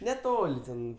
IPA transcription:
nʲɛˈtoːlʲ ˈtʲɛn

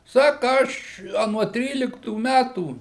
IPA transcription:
ˈsɑːkɐ ˈɐʃ ɐ nuɔ ˈtʲrʲiːlʲɪktuː ˈmʲætuː

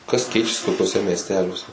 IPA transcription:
kɐs ˈkʲɛɪt͡ʃʲɛsʲɪ toːkʲuɔˈsʲɛ mʲiɛsʲˈtʲæːlʲuɔsʲɛ

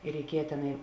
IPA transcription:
ɪ rʲɛɪˈkʲiɛjɛ tʲɛˈnɐɪ

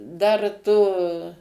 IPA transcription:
ˈdɐr tʊ

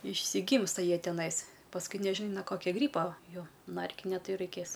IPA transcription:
ɪʃʲsʲɪˈɡʲiːmstɐ ˈjiɛ tʲɛˈnɐɪs pɐsˈkʊɪ nʲɛˈʒʲɪn noː ˈkoːkʲoː ˈɡrʲiːpoː ˈjoː ˈnɐ ˈɛrʲkʲɪnʲɛ ˈtɐɪ jɛʊ rɐɪˈkʲeːs

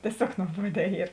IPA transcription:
tʲiɛˈsʲoːk nuɔˈbuɔdʲɛː ˈiːr

